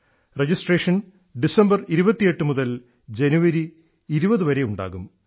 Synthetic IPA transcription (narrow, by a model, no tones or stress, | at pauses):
red͡ʑisʈreːʂɐn | ɖisɐmbɐriɾubɐt̪ːije̞ʈːɨmuðɐl | d͡ʑenuʋɐɾiː | ɾubɐðɨʋɐɾe̞uɳɖa̰ːɣum